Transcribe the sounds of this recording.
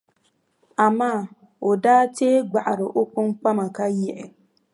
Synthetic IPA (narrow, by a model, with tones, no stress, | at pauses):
a˨maː˦˨ | o˨daː˦teː˦ɡ͡ba˨ʔa˨ɾɨ˨ʔo˦k͡pʊ˦ŋk͡pa˦ma˨ka˦jɛ˦˨ʔɪ˨